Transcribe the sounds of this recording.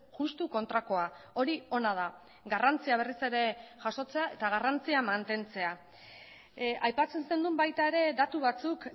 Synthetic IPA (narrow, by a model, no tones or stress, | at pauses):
ʝust̪uko̞nt̪ɾako̞a | o̞ɾio̞nað̞a | ɣarant͡siaβ̞e̞rise̞ɾe̞ʝaso̞t͡se̞ae̞t̪aɣ̞arant͡siamant̪e̞nt͡se̞a | ʔajpat͡se̞nsu̥se̞nd̪umbajt̪ae̞ɾe̞d̪at̪uβat͡suk